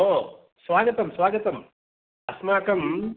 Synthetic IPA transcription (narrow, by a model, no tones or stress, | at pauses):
oː | sʋaːɡɐt̪ɐmsʋaːɡɐt̪ɐm | ɐsmaːkɐm